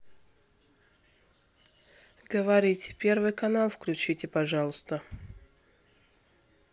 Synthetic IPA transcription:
ɡ̥əvɐɾʲitʲpʲervɨjkɐnalˠfklʲʉt͡ɕitʲɪpɐʐɑlˠʊst̪ə

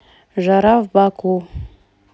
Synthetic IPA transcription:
ʒaɾavbaku

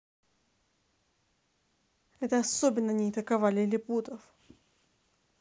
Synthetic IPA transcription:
ɛt̪əɐsobʲɪnːənʲɪːt̪əkɐvalʲɪlʲɪput̪əf

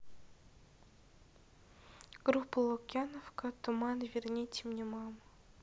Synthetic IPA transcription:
ɡ̥ɾupːəlˠokʲjanofkət̪ʊmɑnvʲɪrnʲet̪ʲɪmnʲemɑm

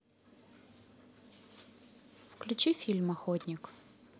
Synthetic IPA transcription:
fklʲʉt͡ɕifʲilʲmɐxot̪ʲnʲɪk

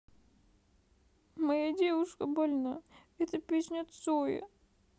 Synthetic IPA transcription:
mɐjadʲevʊʂkəbɐlʲnaɛt̪əpʲesʲnʲot̪sojɪ̰

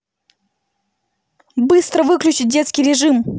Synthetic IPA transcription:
bɨst̪ɾəvɨklʲʉt͡ɕɪt̚ʲdʲet̪skʲɪjɾʲɪʐɨm

